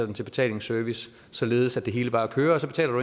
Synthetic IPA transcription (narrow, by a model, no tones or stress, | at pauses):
ɐd̥ent͡sʰe̝b̥e̝̥t͡sʰɛ̰ːle̝ŋsøɐʋis | sɒ̽le̝ːð̩ˠsæd̥e̝ɦe̝ːləb̥ɑ̈ːkʰøːɐɒsɒ̽b̥e̝t͡sʰɛ̰ːlɐd̥u